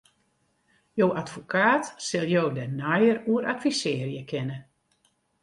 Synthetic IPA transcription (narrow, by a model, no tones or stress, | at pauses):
jowatfokʰaːtsɪlˠjowdənajəruəɾʔatfisɪːərjəkʰɪnə